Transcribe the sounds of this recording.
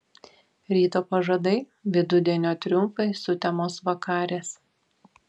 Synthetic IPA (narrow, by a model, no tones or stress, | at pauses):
ɾʲiːt̪oːpɐʒɐd̪ɐɪ | ʋʲɪd̪ʊd̪ʲɛnʲoːt̪ʲɾʲʊmfɐɪsʊt̪ʲɛmoːsʋɐkɑːɾʲeːs